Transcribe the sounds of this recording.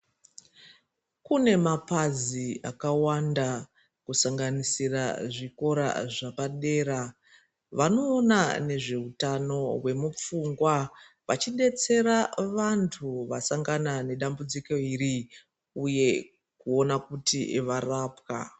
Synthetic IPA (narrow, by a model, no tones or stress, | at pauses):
kune̞mapaziakawanda | kusaŋɡanisira̰ʐiko̞ɾa̰ʐapaɗe̞ːɾa | ʋano̞ːnane̞ʐe̞utano̞we̞mup͡fuŋɡwa | ʋat͡ʃiɗe̞t͡se̞ɾaʋantʰuʋasaŋɡanane̞ɗambud͡ziko̞iri | uje̞ | kuo̞nakutḭʋaraːpka̰